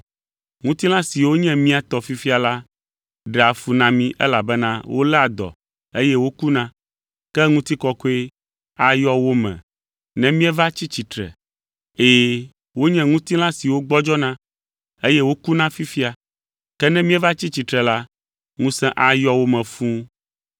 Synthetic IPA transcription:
ŋũ˦t̪i˦l̃ã˦si˨wo˦ɲɛ̃˦mĩ˦a˨t̪ɔ˨fi˦fi˦a˨la˦ | ɖɛ˨a˨fu˦nã˦mĩ˦ʔɛ̰˦la˨bɛ˦nã˦wʔo̰˦lɛ˦a˨d̪ɔ̰˨ | e˦jɛ˦wo˦ku˦nã˦ | kɛ˦ŋũ˦t̪i˦kɔ˦ko˦e˦ | a˦jɔ˦wo˦mɛ̰̃˨ | nɛ̃˦mĩ˦ɛ˦va˦t͡ɕi˦t͡ɕi˨t̪ɾɛ̰˨ | eː˨ | wo˦ɲɛ̃˦ŋũ˦t̪i˦l̃ã˦si˨wo˦ɡ͡bɔ˦d͡ʒɔ˦nã˦ | e˦jɛ˦wo˦ku˦nã˦fi˦fi˦a˨ | kɛ˦nɛ̃˦mĩ˦ɛ˦va˦t͡ɕi˦t͡ɕi˨t̪ɾɛ˨la˦ | ŋũ˦sɛ̃˦ʔa˨jɔ˦wo˦mɛ̃˨fũ˦

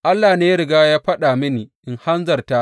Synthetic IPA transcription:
ʔa˦lːaː˨neː˦ɾɪ˨ɡaː˦jaː˦ɸɐ˦ɗa˨mɪ˦niː˨ʔɪ˨ŋha˦nzɐ˨rta˦ʔ

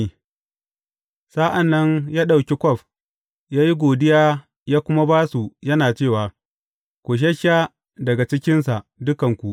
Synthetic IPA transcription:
saː˦ʔa˨nːɐ˦ɲjaː˦ɗa˨wkʲe˦kʷɔ˦˨ɸ | jaː˦ji˦ɡʷoː˨dɪ˦jaː˦ | jaː˦kʷʊ˦ma˦baː˦su˨jɐ˦naː˨t͡ʃeː˦˨waː˨ | kʷu˨ʃ̬ɐ˦ʃa˦ | dɐ˨ɡa˨t͡ʃɪ˦kʲɪ˦nsa˨ʔdʊ˦kɐ˨ŋkʷu˨ʔ

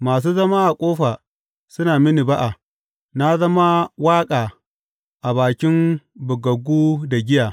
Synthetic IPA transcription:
maː˨s̬uː˦zɐ˦ma˦ʔa˨kʷʼoː˦ɸaː˨ | sʊ˦naː˨mɪ˦ni˨ba˦ʔa˨ | na˦zɐ˦ma˦waː˦kʼaː˨ | ʔa˨baː˨kʲɪ˦mbʊ˨ɡɐ˨ɡʷuː˦da˨ɡʲɪ˦jaː˨

